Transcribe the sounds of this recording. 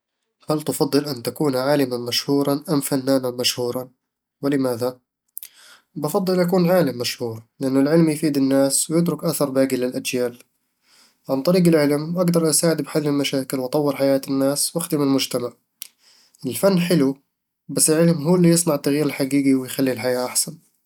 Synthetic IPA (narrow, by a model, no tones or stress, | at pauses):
halt̪ɑfɑd̪ˤːɨlʔant̪akuːnʕaːlɪmanmaʃhuːɾˤɑʔamfanːaːnanmaʃhuːɾˤɑ | wɪlɪmaːða | bɑfɑd̪ˤːɨlʔakuːnʕaːlɪmːaʃhuːɾlɪʔanːʊlʕɪlmjfiːd̪ɪnːaːswjɪt̪̬ɾʊkʔaθɑɾˤbaːɡilɪlʔad͡ʒjaːl | ʕant̪ˤɑɾiːɡɪlʕɪlmʔaɡd̪ɑɾˤʔasaːʕɪd̪bɪħaðmɪlmaʃaːkɪlwʔɑt̪ˤɑwːɪɾħajaːt̪ɪnːaːswʔaxd̪ɪmlmʊd͡ʒt̪amaʕ | ʔɪlfanːħɪlu | basːɪlʕɪlmɦuːlːijɨsˤnɑʕɪt̪ːaɣjiːɾɪlħaɡiːɡiwɪjxalːilħajaːʔaħsan